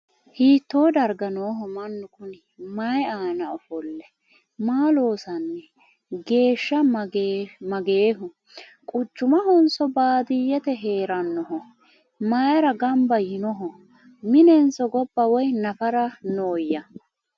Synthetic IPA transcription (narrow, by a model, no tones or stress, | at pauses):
hiːt̪ːo̞ːd̪ɐɾɡɐnoːɦɔmɐnːʊkʊnɪ | majaːnɐɔfɔlːɛ | maːlo̞ːsɐnːɛ | ɡe̞ːʃːɐ | mɐɡeːɦʊ | kʼʊt͡ʃːʊmɐhɔnsɔbaːd̪ɪjːɛt̪ɛɦe̞ːɾɐnːɔɦɔ | maːjɐɾɐɡɐmbɐjɪnɔɦɔ | mɪnɛnsɔɡɔbːɐwɔjnɐfɐɾɐnoːjːɐ